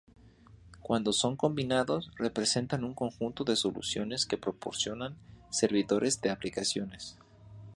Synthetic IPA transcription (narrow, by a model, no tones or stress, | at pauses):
kwand̪o̞so̞ŋko̞mbinaðo̞sre̞pɾe̞se̞nt̪anuŋko̞ŋxunt̪o̞ðe̞so̞lṵsjo̞ne̞ske̞pɾo̞po̞ɾsjo̞nanse̞ɾβiðo̞ɾʔe̞zðeaplikasjo̞ne̞s